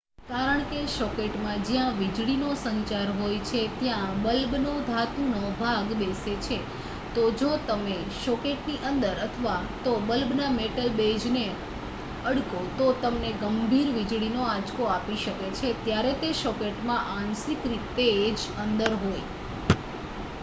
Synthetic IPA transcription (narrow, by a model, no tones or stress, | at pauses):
kaɾəɳkeʃɔkeʈmãd͡ʒjãʋid͡ʒɽinosənt͡ʃaɾɦojt͡ʃʰet̪jãbəlbnod̪ʱat̪unobʱaɡbeset͡ʃʰe | t̪od͡ʒot̪əme | ʃɔkeʈniʔənd̪əɾət̪ʰəʋa | t̪obəlbnameʈəlbed͡ʒne | əɽkot̪ot̪əmneɡəmbʱiɾʋid͡ʒɽinoad͡ʒkoapiʃəket͡ʃʰet̪jaɾet̪eʃɔkeʈmãʔansikɾit̪ed͡ʒənd̪əɾɦoj